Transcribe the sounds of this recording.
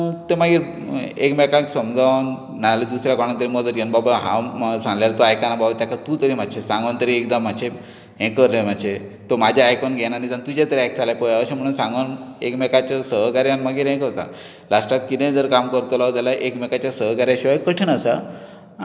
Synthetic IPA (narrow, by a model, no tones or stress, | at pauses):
t̪emaɡiːɾ | ekmekãksəmd͡zʱaʋnː | aled̪usɾjakɔɽ̃ant̪əɾiməd̪ət̪ɡenbabaɦã̰sãŋɡljaɾt̪oajkanababat̪jakʰat̪ut̪əɾim̤aɕʰesãŋɡʋant̪əɾiekd̪amːaɕʰe | ɦẽkəɾem̤aɕʰet̪omad͡ʑʱeajkɔnɡʱenañit̪ant̪ud͡ʑat̪əɾiajk̚t̪ʰalapɔjaəɕam̤əɽ̃uːnsãŋɡanekmɛkat͡ɕasəɦkaɾjanmaɡiːɾɦẽkɦot̪a̰ | laʂʈat̪kit̪ẽd͡z̪əɾkamkəɾt̪olaot̪alaʔekmɛkat͡ɕjasəɦkaɾjaɕiʋajkəʈʰənasa